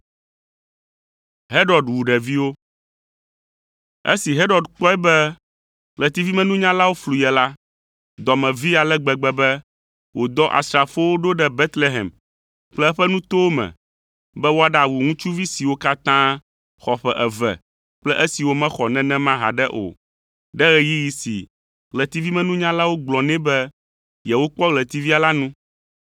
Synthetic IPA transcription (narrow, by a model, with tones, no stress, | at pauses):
ɦe˦ɾɔ˨dwu˨ɖɛ˨vi˦wo˦ | ḛ˦si˨ɦe˦ɾɔ˨ɖk͡pɔ˦ɛ˦bɛ˦ | k͡plɛ˨t̪i˦vi˦mɛ̃˦nũ˦ɲã˦la˦wo˦flu˨jɛ˨la˦ | d̪ɔ˨mɛ̃˨vi˦a˨lɛ˦ɡ͡bɛ˨ɡ͡bɛ˦bɛ˦ | wʔo˨d̪ɔ˦ʔa̰˨st̪ɾa˨fo˦wo˦ɖo˦ɖɛ˦bɛ˦t̪le˦ɦɛ̰˨m | k͡plɛ˦ɛ˦ɸɛ˦nũ˦t̪o˦wo˦mɛ̰̃˨ | bɛ˦wo˦a˨ɖa˨wu˨ŋũ˦t͡ʃu˦vi˦si˨wo˦ka˦t̪ã˦ | xɔ˨ɸɛ˦˨ʔɛ˨vɛ̰˨ | k͡plɛ˦ʔɛ˦si˨wo˦mɛ̃˦xɔ˨nɛ̃˦nɛ̃˦mã˦ɦa̰˨ɖɛ˦ʔo̰˨ | ɖɛ˦ɣɛ˨ji˦ji˨sḭ˨ | ɣlɛ˨t̪i˦vi˦mɛ̃˦nũ˦ɲã˦la˦wo˦ɡ͡blɔ̃˨nɛ̃˦bɛ˦ | jɛ˨wo˦k͡pɔ˦ɣlɛ˨t̪i˦vi˦a˨la˦nũ˦